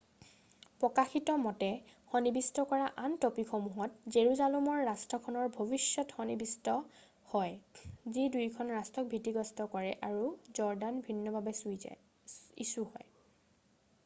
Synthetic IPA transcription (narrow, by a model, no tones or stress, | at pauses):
pɹɔkaxitɔmɔtɛxɔnibistɔkɔɹaʔantopixɔmuɦɔt̚zeɹuzalumɔɹːastʰɔkʰɔnɔɹbʱobisɔtxɔnibistɔ | hɔjzidujkʰɔnɹastɔk̚bʱitiɡɔstɔkɔɹɛʔaɹuzɔɹdanbʱinːɔbʱabɛsuj̰ | ḭsuhɔj